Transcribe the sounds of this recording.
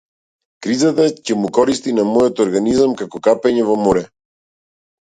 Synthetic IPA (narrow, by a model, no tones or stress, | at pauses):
kɾizat̪acɛmukɔɾist̪inamɔjɔt̪ɔɾɡanizamkakɔkapɛɲɛvɔmɔɾɛ